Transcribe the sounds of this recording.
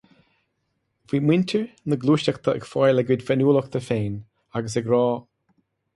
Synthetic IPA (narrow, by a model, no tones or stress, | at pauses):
viːmwɪntʰəɹnəɡluːʃakt̪ʰəə̰ɡfɔjlɛɡwɪdfɛnuːləkt̪ʰəfeːn | aɡəs̬əɡɾɔː